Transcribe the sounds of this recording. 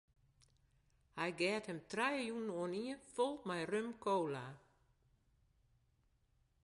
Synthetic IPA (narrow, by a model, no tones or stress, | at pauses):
hajɡɛːthɛmtʰrajəjunnɔəniəfɔlˠt̚majrømkʰoːla